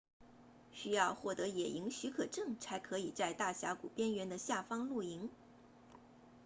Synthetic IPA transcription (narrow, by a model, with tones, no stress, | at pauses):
ɕy˥jɑ˥˧ʊxwɔ˥˩t̪ɤ˧˥jɛ˨˩i˧˥ŋɕy˧˥kʰɤ˨˩ʈ͡ʂɤ˥˩ŋt͡sʰa˧˥ɪkʰɤ˧˥i˨˩t͡sa˥˧ɪt̪a˥˩ɕja̰˧˥kṵ˨˩pjɛ˥nɥɛ˧˥nd̪ə˧ɕja˥˩fɑ˥ŋlu˥˩i˧˥ŋ